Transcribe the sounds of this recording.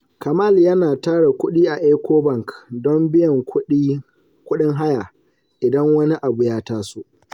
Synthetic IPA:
kɐ˨maː˦˨ljɐ˦naː˨taː˦ɽe˨kʷʊ˦ɗiː˦ʔa˨ʔeː˦kʷoː˦bɐ˦˨ŋkdɔ˦mbɪ˦jɐ˨ŋki˦ | kʷʊ˦ɗɪ˦ŋɦa˦ja˨ | ʔɪ˨dɐ˦ŋwɐ˦ni˦ʔa˨bʊ˨jaː˦taː˦su˦ʔ

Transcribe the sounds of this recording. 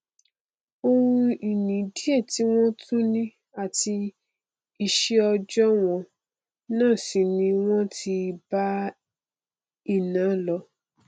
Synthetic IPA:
o˧wũ˧i˨nĩ˨di˦e˦˨ti˨˦w̃ɔ̃˦tʰũ˦nĩ˦ | a˦˨ti˧ | i˧˨ʃe˦ɔ˧d͡ʒɔ˦w̃ɔ̃˧ | nãː˦˨si˨nĩ˧w̃ɔ̃˦tʰi˧ba˦ | i˦˨nã˨˦lɔ˧

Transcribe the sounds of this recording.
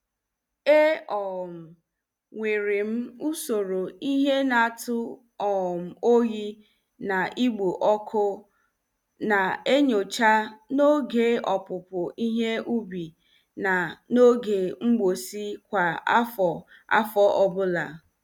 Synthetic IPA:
e˦ɔ˨m̩˨ | ŋʷe˨ɾe˨m̩˦u˦so˨ɾo˨i˦ɦe˦na˨tʊ˦ | ɔ˨m̩˨o˦ɣi˦ | na˨ʔi˦ɡ͡bo˨ʔɔ˦kʰʊ˦ | na˨e˦ɲo˨t͡ʃa˦no˦ɡe˦ɔ˨pʊ˨pʊ˨ʔi˦ɦe˦ʔu˦bi˨ | na˨no˦ɡe˨ŋ͡m̩˦ɡ͡bo˨si˦kʷa˨a˦fɔ˨ | a̰˦fɔ˦ʔɔ˦bʊ˦la˨

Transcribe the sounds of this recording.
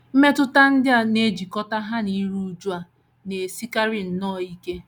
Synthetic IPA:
m̩˦me˦tʊ˦ta˦n̩˦dɪ˦a˦˨ne˦d͡ʒi˨kɔ˦ta˦ɦa˦ni˦ɾu˦d͡ʒu˦a˨ | ne˨si˦ka˦ɾi˨n̩˨nɔ˦˨i˦ke˦

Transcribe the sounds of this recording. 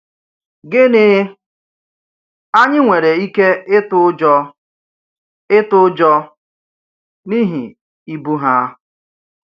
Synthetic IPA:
ɡɪ˦nɪ˦ | a˦ɲɪ˦ŋʷe˨ɾe˨i˦ke˦ɪ˦tʊ˦d͡ʒɔ˦ | ɪ˦tʊ˦d͡ʒɔ˦ | ni˦ɦi˨ | i˦bu˦ɦa˦

